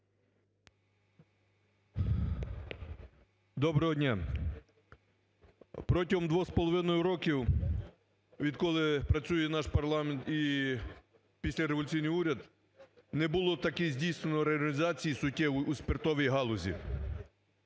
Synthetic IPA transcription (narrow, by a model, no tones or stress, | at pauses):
d̪ɔbɾɛɦɔdʲnʲa | pɾɔtʲiɦɔmd̪ʋɔxspɔlˠɔʋɪnɔjʊɾɔkʲiw | ʋʲid̪kɔlˠɪpɾɐt͡sʲujɛnɑʃpɐrlˠɑment̪i | pʲisʲlʲɐɾeʋɔlʲʊt͡sʲijnɨjuɾʲɐd̪ | nɛbʊlˠɔt̪ɐkɛzʲdʲijsnenɔɾeɐlʲlʲizɑt͡sʲijisʊtʲːɛwʊusʲpʲirt̪ɔʋʲijɦɑlˠɔzʲḭ